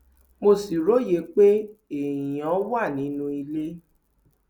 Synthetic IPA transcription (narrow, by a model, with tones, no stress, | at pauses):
mo˧si˨ɾo˨˦je˨˦k͡pe˦e˨jɔ̃˨˦wa˦˨nĩ˨˦nũ˦i˧le˦